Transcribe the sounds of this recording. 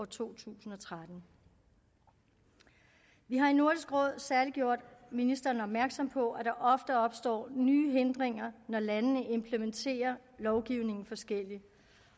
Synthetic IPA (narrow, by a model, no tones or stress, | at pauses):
t͡sʰo̝̰ːt͡sʰṵːsn̩ɒ̽t͡sʰʁad̥n̩ | ʋiɦɑ̈ino̝ɐd̥isɡ̥ʁɔ̽ð̞̰ˠsæɐliɡ̥jo̝ɐ̰d̥minisd̥ɐːnɒ̽b̥mæɐɡ̥sɒ̽m̰pʰɒ̽ʔæd̥ɑ̈ʔɒ̽fd̥əɒ̽b̥sd̥ɒ̰ːnyːɦend̥ʁeŋ̰ɐnɒlænənəʔe̝mpʰləment͡sʰe̝̰ːɐlɒʊɡ̥iʊne̝ŋn̩fɒ̽sɡ̥el̰i